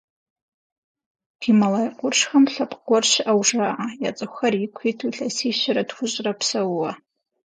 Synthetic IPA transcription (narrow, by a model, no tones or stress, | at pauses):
dʰimalajqʷʊrʂxamɬapʼɡʷɔrʃʷʔawʐaʔajat͡sʼɨxarikʷʰitʰuɬasiʃʷaɾadxʷʊɕʷʼrapʰsawwa